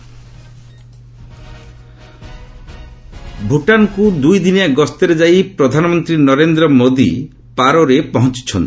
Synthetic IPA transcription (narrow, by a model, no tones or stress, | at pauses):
bʱuʈankud̪ujd̪inaɡɔst̪eɾed͡ʒajpɾɔd̪ʱanɔmɔnt̪ɾinɔɾend̪ɾɔmod̪ḭ | paɾoɾepɔɦɔ̃nt͡ʃi̥t͡ʃʰɔnt̪i̥